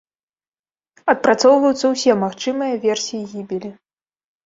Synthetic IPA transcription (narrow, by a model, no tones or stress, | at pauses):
ɐt̪̚pɾat̪sɔwvɐjut̪sɐwsʲɛmaxt͡ʂɨmɨjɐvʲɛrsʲijiɣʲibʲilʲi